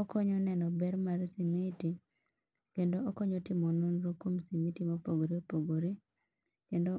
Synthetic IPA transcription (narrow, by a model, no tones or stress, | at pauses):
okoɲɔnɛnɔbɛɾmaɾsimiti | kendookoɲotɪmononɾokomsimitimopoɡoɾiopoɡoɾi | kendo